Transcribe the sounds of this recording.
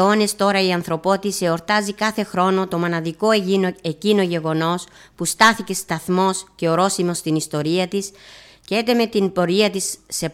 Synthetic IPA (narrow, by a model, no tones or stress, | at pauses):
o̞ne̞st̪o̞ɾɐiɐnθɾo̞po̞t̪ise̞o̞ɾt̪ɐzikɐθe̞xɾo̞no̞t̪o̞mo̞nɐðiko̞ecino̞ʝe̞ɣo̞no̞s | pust̪ɐθice̞st̪ɐθmo̞sce̞o̞ɾo̞simo̞st̪inist̪o̞ɾiɐt̪is | cee̞t̪e̞me̞t̪inpo̞ɾiɐt̪isːe̞